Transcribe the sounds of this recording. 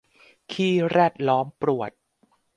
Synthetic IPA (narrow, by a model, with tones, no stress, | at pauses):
kʰiː˥˩ɾɛː˥˩t̪̚lɔː˦˥mpɾu˨˩ət̪̚